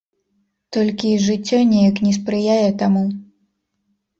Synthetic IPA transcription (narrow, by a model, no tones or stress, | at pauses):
t̪ɔlʲkʲiʐɨt͡sʲːɔnʲɛjɐknʲɛs̬pɾɨjajɛt̪amu